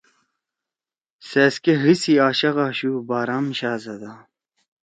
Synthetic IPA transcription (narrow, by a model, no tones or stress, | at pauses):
seːskeɦisiaːɕɐɣɑːɕuːbaːɾaːmɕaːzɐd̪a